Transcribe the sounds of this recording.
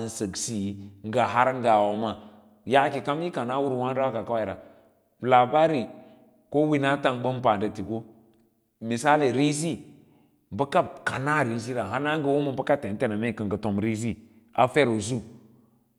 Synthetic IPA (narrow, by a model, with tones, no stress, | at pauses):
n˦sə˨ɡsi˨˦ŋ˦ɡa˨ɦa˦ɾŋ˦ɡa˨wo˨ma˨ | ja˦ki˨ka˦m˦i˦ka˨na˦wu˦ɾwa˦n˦ɾa˦a˦ka˨ka˦wa˦i˨ɾa̰˨ | la˨ba˦ɾi˨ | ko˦wi˦na˦ta˦˨ŋbə˦mpa˨ndə˨ti˨ɡo˦ | mi˨sa˦li˨ɾi˦s̬i˦ | bə˦ka˦bka˨na˦˨ɾi˦s̬i˦ɾa˨ɦa˦na˦ŋɡə˨wo˦mə˦bə˦ka˦te˨n˦te˦na˨me˦˨kə˨ŋɡə˨to˨mɾi˦z̬i˦ | a̰˨fe˦ɾo˨zu˦